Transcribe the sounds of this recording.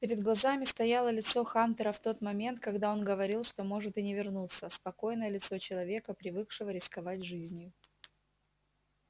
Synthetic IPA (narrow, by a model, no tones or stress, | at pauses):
pʲɪɾʲɪd̪ɡlˠɐzamʲɪst̪ɐjalˠəlʲɪt̪so̞xant̪əɾəft̪o̞t̪mɐmʲe̞nt̪̚kɐɡd̪ao̞nɡəvɐɾʲilˠʂt̪o̞mo̞ʐɨt̪ɨnʲɪvʲɪrnut̪səspɐko̞jnəjəlʲɪt̪so̞t͡ɕɪlˠɐvʲe̞kəpɾʲɪvɨkʂɨvəɾʲɪskɐvatʲʐɨzʲnʲjʊ